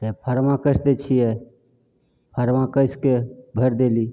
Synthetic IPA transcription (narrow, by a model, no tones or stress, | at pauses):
t̪epʰəɾʋãkəsd̪et͡ʃʰiɛ | pʰəɾʋãkəskebʱəɾd̪eli